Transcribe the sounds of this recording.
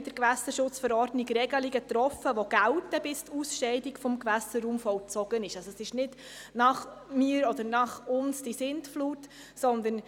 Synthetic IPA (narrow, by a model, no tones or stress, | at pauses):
d̥əɾkʋæsəɾʃʊt͡sfəɾɔɾdniɡɾɛɡəliɡət̪ɾɔfəʋoɡ̥æwtəbɪstusʃɛɪdikfɔmkʋæsəɾːuːmfɔlt͡sɔɡənɪʃɑsoɔɛsɪʃnɪd | nɑχmiːəɾɔdəɾnɑχʊnsd̥isɪntfluːt | sɔnd̪ən